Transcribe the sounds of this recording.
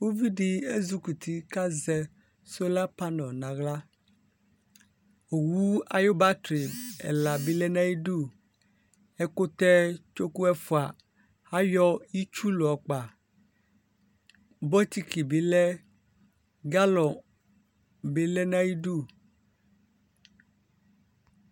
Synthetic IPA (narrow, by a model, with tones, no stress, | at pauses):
wo˦vi˦ɖi˦e˦zu˦ku˨t̪ʰi˦ka˦zɛ˦ | so˦la˦pa˦nɔ̃˨nã˨ɣla˦ | o˨wu˦a˦jo˦ba˦tɾi˨ɛ̰˨la˨bi˦lɛ˦nã˦ji˦ɖu˦˨ | ɛ˦ko˦t̪ɛ˦t͡ʃo˦ku˦ɛ˦fu˨a˨ | ha˦jɔ˦ji˦t͡ʃu˦lo˨ɔ˨k͡pa˨ | bɔ˦t̪i˦ki˨bi˨lɛ˦ | ɡa˦lɔ˨ | be˨lɛ˦nã˦ji˦ɖu˦˨